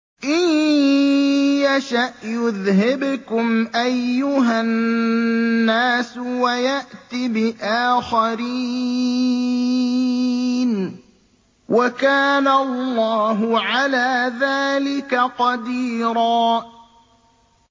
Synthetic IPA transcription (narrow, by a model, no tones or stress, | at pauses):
ʔɪj | jaʃaʔjʊðɦɪbkʊmʔajːʊɦanː | aːswajaʔt̪ibɪʔaːxaɾiː | n | wʔakaːnallːɑːɦʊʕalaːðaːlɪkaqɑd̪iːɾaː